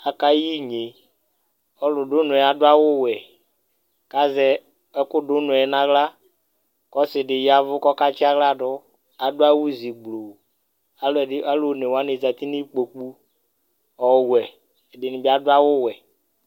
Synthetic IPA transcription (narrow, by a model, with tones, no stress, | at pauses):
a˨ka˦ji˦ɲe˨ | ɔ˨˦lʊ˨ɖʊ˦nʊ̃˨ɛ˨a˨dʊ˦a˦wʊ˦wɛ˨ | ka˦zɛ˦ | ɛ˦kʊ˦ɖʊ˦nʊ̃˨ɛ˨˦nã˨ɡla˦ | kɔ˦sɪ˨ɖɪ˨ja˨vʊ˦kɔ˦ka˦t͡ʃi˦a˦ɡla˦ɖɔ˦ | a˨dʊ˦a˦wu˦zi˨ɡ͡blo˨ | a˨lɛ˨˦a˦lo˦˨ne˨wa˦nɪ˨za˨t̪i˦ni˦k͡po˨k͡pu˦ | ɔ˨wɛ˨ | dɪ˨nɪ̃˨bi˦a˨dʊ˦a˦wʊ˦wɛ˨